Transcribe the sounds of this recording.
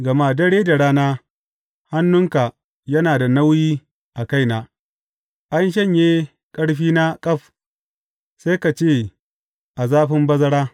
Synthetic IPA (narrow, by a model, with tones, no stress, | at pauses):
ɡɐ˨maː˦dɐ˦ɽeː˦da˨ɽaː˦naː˦ | ha˦nːʊ˦ŋka˨ | jɐ˦naː˨da˨na˦wjiː˦ | ʔa˨ka˦jnaː˨ | ʔa˦nʃ̬ɐ˦˨ɲjeː˦ | kʼɐ˦ɽɸiː˦na˦kʼɐ˦ɸ | sa˦jka˨t͡ʃeː˦˨ | ʔa˨zaː˦ɸɪ˦mbɐ˦zɐ˦ɽaː˦